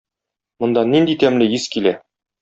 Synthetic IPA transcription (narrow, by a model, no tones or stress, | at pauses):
mŏnd̪ɑnːind̪it̪æmlɘjiskilæ